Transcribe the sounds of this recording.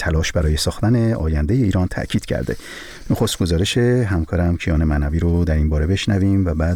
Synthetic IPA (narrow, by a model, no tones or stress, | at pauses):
t̪ʰælɒːʃbæɾɒːjesɒːxt̪æne̞ʔɒ̰ːjænd̪e̞je̞iːɾɒːnt̪ʰæ̰ʔcʰiːd̪̥cʰæ̰ɾd̪e̞̰ | no̞xo̞st̪̚ɡo̞zɒːɾeʃe̞ɦæmkʰɒːɾæmcʰijɒːnemænæviːɾod̪æɾinbɒːɾe̞be̞ʃnævimvæbæːd̪